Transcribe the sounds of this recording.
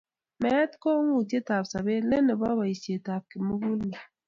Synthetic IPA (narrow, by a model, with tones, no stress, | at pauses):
mɛ˨˦tkɔ˦ŋu˦˨te˦ta˨psa˨be˦le˦ne˨bɔ˦ba˨i˨se˨ta˨b̚ki˨mu˦ɡu˦lni˨